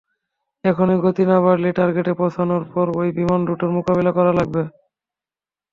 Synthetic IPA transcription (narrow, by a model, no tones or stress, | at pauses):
ɛkʰonoɡot̪inabaɾliʈaɾɡeʈepɔtʰanoɾpɔɾojbimanɖuʈoɾmokabelakɔɾalaɡ̚be